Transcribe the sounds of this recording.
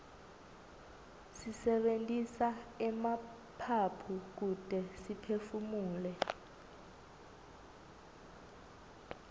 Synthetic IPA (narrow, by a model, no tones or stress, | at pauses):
sisɛɓentʼisaɛma | pʰapʰuk̬ud̥ʼʱɛsipʰefumuːlɛ